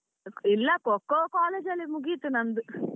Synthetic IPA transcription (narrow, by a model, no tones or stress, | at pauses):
ilːɐkɔkːokaːleːd͡ʒɐlːimuɡit̪unɐnd̪u